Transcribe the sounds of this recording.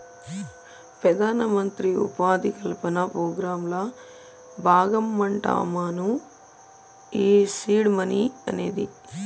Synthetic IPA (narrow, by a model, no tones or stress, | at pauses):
pɾɐd̪aːnɐmɐnt̪ɾiṵpaːd̪ikɐlpɐnɐpɾoːɡɾaːmlɐ | bʱaːɡɐmːɐɳʈa̰ːmaːnu | iːsiːɖmɐniɐ̰ne̞ːd̪i